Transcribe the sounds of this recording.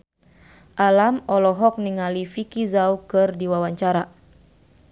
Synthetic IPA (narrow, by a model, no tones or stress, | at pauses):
ʔalamɔlɔɦɔk̚niŋalifikizaukɨrdiwawaɲt͡ʃaɾa